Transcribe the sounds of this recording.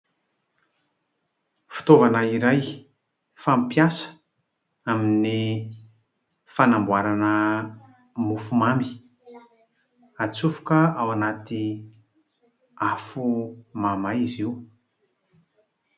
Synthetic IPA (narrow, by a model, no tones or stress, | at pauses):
fi̥t̪ovanəiɾaj | fampjasə̥ | amini | fanambuwaɾanə | mufumami̥ | at͡sufu̥kəawanat̪i | afumamajiziw